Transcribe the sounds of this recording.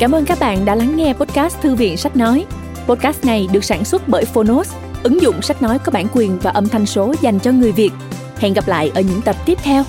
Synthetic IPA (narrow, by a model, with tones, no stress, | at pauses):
kaː˧˩mʔəː˧nkaː˦˥k̚ɓa̰ː˧˨nɗa̰ː˧˥la˨˦ŋːɛ˧po˦˥t̚kaː˦˥st̪ʰɨ˧vḭ˧˨ənsa˦˥jk̚nɔ˨˦j | po˦˥t̚kaː˦˥st̚na˨˩jɗɨ˨˩ək̚saː˧˩nswə˦˥t̚ɓəː˧˩jfo˧no˦˥s | ʔɨ˨˦ŋzʊ̰˧˨ŋ͡msa˦˥k̟̚nɔ˨˦jkɔ˨˦ɓa̰ː˧˩nkwi˨˩ənvaː˨˩ʔə˧˩mt̪ʰa˧jŋ̟so˨˦za˨˩jŋ̟t͡ɕɔ˧ŋɨ˨˩əjvi˨˩ət̚ | hɛ̰˧˨nɣa˨˩p̚la̰ː˧˨jʔəː˧˩ɲɨ̰˧˥ŋt̪ə˨˩p̚t̪i˦˥əp̚t̪ʰɛ˧w